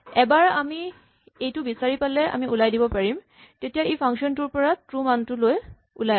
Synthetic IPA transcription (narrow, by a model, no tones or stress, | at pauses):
ɛbaɹami | ejtʊbisaɹipalɛa̰miulajdibɔpaɹim | tetijaejpʰaŋsiɔntʊɹpɔɹatɹumantʊloj | ulaj